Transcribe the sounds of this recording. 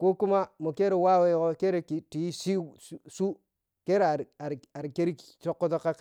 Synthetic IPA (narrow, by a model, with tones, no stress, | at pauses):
ko˦ku˦ma˦mo˨ke˦ɾe˨wa˦we˦ko˦ke˦ɾe˨ki˨ti˨i˦si˦su˦ | ke˦ɾe˨a˨ɾa˨ɾa˨ɾke˦ɾi˦ | t͡ʃo˦kːo˦to˦ka˦k